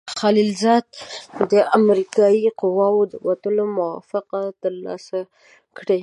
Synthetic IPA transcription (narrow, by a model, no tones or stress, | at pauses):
xalilzɑd̪̚d̪əamɾikɑjiqʊwɑwod̪əwat̪əlomʊwɑ̰fɪqat̪əɾlɑ̰sa | kɽe